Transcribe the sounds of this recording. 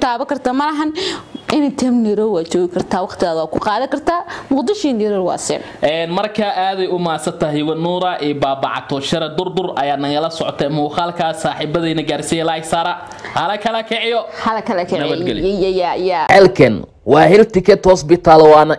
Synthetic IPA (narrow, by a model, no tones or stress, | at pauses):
t̪ʰaːβɐkʰɐrt̪ʰamɐɾɐɦɐnɪnɪt̪ʰɛmnɪɾɔwaːt͡ʃɔːɣɪkʰɐrt̪ʰaːwɑqt̪ʰɪɣaːðɐwaːkʰʊqɑːðɐkɐrt̪ʰaːmʊqd̪ɪʃiːniːɾɐrwɑ̰ːsɛ̰ːn | ʔɛːnmɐrkʰɐʔaːðɛjʊmaːsɐt̪ʰɐɦiwɐnuːɾɐʔɛbaːbɑ̰ʕɑ̰t̪ʰɔʃɐɾɐd̪ʊrd̪ʊrɐjaːnɐɣɐlɐsɔʕɔt̪ʰɛmɐχaːlkʰaːsaːħiːbɐðɛnɐɡaːrsijɛlasaːɾɐ | hɐlɐkʰɐlɐkʰɛʕɪjɔhɐlɐkʰɐlɐkʰɛʕnɐjɐd̪ɡɛljjajaːɛlkʰɐn | wɑːhɛlt̪ɪkʰɐd̪hɔsbɪt̪ʰaːlwɑːnɐ